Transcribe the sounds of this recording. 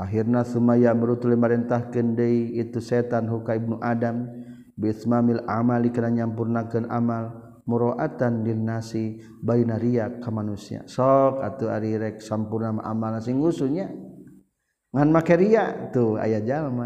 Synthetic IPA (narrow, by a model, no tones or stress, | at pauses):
ʔaɦirnaθumajaməɾut̪ulɛmaɾɛnt̪ahkəndəiit̪usɛt̪anɦukaib̚nuʔadam | biθmamila̰malikənaɲampurnakɨna̰mal | muɾoʔat̪anlilnasi | bainaɾiakːamanusia̰sɔka̰t̪ua̰ɾiɾɛk̚sampurnama̰ʔa̰malnasiŋusuɲa | ŋanmakeɾiat̪ua̰jad͡ʒalma